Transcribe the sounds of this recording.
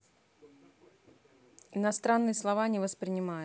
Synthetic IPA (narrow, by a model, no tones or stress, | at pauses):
ɪnɐst̪ɾanːɨjəslˠɐvanʲɪvəspɾʲɪnʲɪmajʊ